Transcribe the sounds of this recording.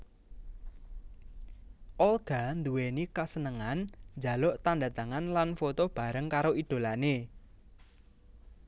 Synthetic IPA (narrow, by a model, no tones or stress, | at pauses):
ʔɔlɡ̥a̤nd̪uwenikasənəŋand͡ʒa̤lɔʔt̪anda̤t̪aŋanlanfot̪ob̥a̤ɾəŋkaɾoid̪̥o̤lane